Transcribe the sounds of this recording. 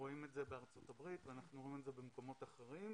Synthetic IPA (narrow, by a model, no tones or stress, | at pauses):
oimetzebeaʁt͡so̞tabʁit̪veanaχnuʁo̞imetzebemko̞mo̞taχeʁim